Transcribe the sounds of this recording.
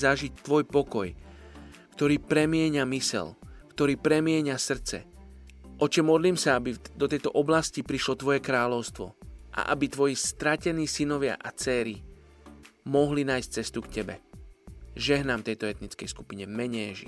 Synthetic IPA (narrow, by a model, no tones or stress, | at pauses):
zaʒic̚t̪ʋɔjpɔkɔj | kt̪ɔɾiːpɾɛmɪɛɲamisɛ̰lkt̪ɔɾiːpɾɛmɪɛɲasr̩t͡sɛ̰ | ʔɔt͡ʃɛmɔd̪liːmsaabid̪ɔt̪ɛjt̪ɔʔɔblascipɾiʃlɔt̪ʋɔjɛkɾaːlɔʊst̪ʋɔ̰ʔa̰ʔabit̪ʋɔjist̪ɾacɛniːsinɔʋɪa̰ʔat͡sɛːɾi | mɔɦlinaːjsc̚t͡sɛst̪ukcɛbɛ̰ | ʒɛɦnamt̪ɛjt̪ɔɛt̪nit͡skɛjsku̥piɲɛmɛɲɛʒḭ